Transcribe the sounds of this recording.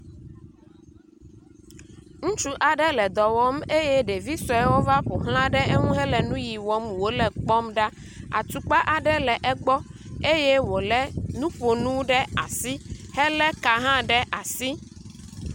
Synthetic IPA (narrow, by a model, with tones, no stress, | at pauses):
ŋũ˦t͡ʃu˦ʔa˨ɖɛ˦lɛ˨d̪ɔ˨wɔ˦me˦jɛ˦ɖe˨vi˦sɔ˦ɛ˦wo˦va˦ɸo˨ɦl̃ã˦ɖɛ˦e˦ŋũ˦ɦɛ˦lɛ˨nũ˦ji˨wɔ˦mwo˦lɛ˨k͡pɔ˦mɖa˦ | a̰˨t̪u˨k͡pa˦ʔa˨ɖɛ˦lɛ˨ʔɛ˦ɡ͡bɔ˦ | e˦jɛ˦wo˨lɛ˦nũ˦ɸo˨nũ˦ɖɛ˦a̰˨si˦hɛ˦lɛ˦ka˨ɦã˦ɖɛ˦ʔa˨si˦